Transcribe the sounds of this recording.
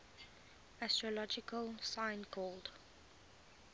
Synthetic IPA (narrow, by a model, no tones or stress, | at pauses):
astɹɔlɔd͡ʒɪkʰəlsãɪ̃nkʰɔːld̥